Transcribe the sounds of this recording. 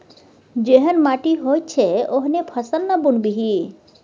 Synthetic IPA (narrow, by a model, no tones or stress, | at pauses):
d͡ʒeɦənmaːʈiɦoːj̪̚t͡ʃʰeoɦnepʰɐsənːɐbunbiɦi